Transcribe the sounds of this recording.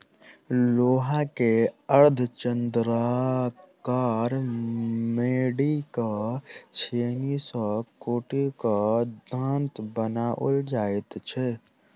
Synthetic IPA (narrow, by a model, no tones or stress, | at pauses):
loːɦakeəɾd̪ʱt͡ʃənd̪ɾa | kaːɾ | meːɽikat͡ʃʰeːnisəkoːʈikad̪ʱant̪bənaʔʊ̰ld͡ʒaːet̪t͡ʃʰɛ